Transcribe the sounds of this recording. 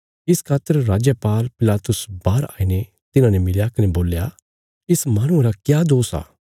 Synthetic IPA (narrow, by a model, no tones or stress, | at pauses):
ɪskʰaːt̪ːəɾɾaːd͡ʒjəpaːlpɪlaːt̪ʊsbaːɾa̰ːiːne | t̪ɪnãːnemɪljakɐneboːlja | ɪsmaːɽ̃ʊ̃ãɾakjaːd̪oːsa̰ː